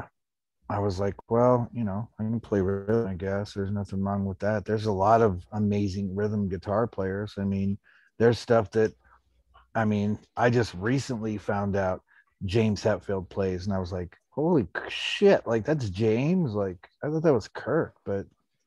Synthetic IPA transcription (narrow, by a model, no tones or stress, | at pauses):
aɪwʌzlaɪkwɛlˠjɨnoʊaɪɡʌnəpʰl̥eɪɹɪð̃maɪɡɛsðə˞znʌθɪ̃ŋlɑ̃ŋwəðæt̪̚ðə˞zəlɔɾʌvəmeɪzɪ̃ŋɹɪðə̃m̩ɡɨtʰɑɹpʰl̥eɪə˞z̥aɪmĩn | ðə˞z̥stʌfðɨt̚ | aɪmĩnʔaɪd͡ʒʌst̚ɹisə̃nlifãʊ̃ndaʊt̚ | d̥ʒ̥ẽɪ̃mz̥hætfilˠd̚pʰl̥eɪzə̃naɪwʌzlaɪkhoʊlˠiʃɪʔlʔaɪk̚ðætsd̥ʒ̥ẽɪ̃mzlaɪkaɪθɑt̪̚ðɨt̚wʌz̥kʰɜ˞k̚b̥ʌt̚